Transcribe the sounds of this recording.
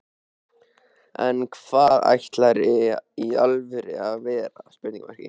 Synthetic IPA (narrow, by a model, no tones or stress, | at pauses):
ɛnkʰv̥aːða̰jht̪laɾɪialvʏɾɪaðvɛːɾaspɪɾt̪ĩŋkamɛ̰ɾ̥cɪ̰